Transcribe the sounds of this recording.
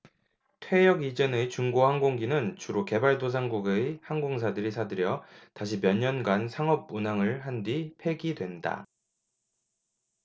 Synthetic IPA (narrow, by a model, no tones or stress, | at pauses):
tʰwe̞jʌɡid͡ʑenet͡ɕuŋɡohaŋɡoŋɡinɯnt͡ɕuɾoke̞baɭdos̬ʰaŋɡuɡehaŋɡoŋs̬ʰadɯɾisʰadɯɾjʌtaɕ̬ʰimjʌɲːʌnɡansʰaŋʌb̚unaŋɯɭɦandipʰe̞ɡidwe̞nda̰